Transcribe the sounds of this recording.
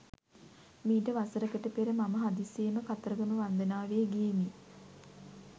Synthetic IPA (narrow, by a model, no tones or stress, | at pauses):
miːʈəʋasəɾəkəʈəpeɾəmaməɦad̪iseːməkat̪əɾəɡəməʋand̪ənaːʋeːɡijemi